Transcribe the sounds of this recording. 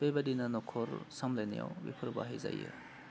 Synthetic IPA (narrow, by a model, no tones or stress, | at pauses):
b̥ebɐdinɐnɔkʰɔɾsamlajnija̰wbipʰɯɾba̰ɦejza̰jḛ